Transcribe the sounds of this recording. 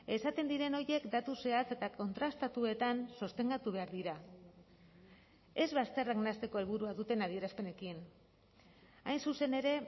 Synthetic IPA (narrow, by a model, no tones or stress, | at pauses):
e̞sat̪e̞nd̪iɾe̞no̞ɾje̞kd̪at̪use̞at͡se̞t̪ako̞nt̪ɾast̪at̪ue̞t̪ansost̪e̞ŋɡat̪uβ̞e̞aɾðiɾa | e̞zβast̪ereɡnast̪eko̞elβ̞uɾuaðut̪e̞naðie̞ɾaspe̞ne̞kin | ajnsuse̞ne̞ɾe̞